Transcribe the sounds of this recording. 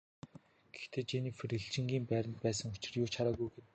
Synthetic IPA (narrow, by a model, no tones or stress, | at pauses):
ɡ̥e̥xt̪ʰeːt͡ɕeniːfriɮt͡ɕɪ̆ŋɡʲiːmpæːɾʲə̆nt̪̚pæːsə̆ŋʊt͡ɕɪ̆rjʊːt͡ɕʰaɾaːɣujɡen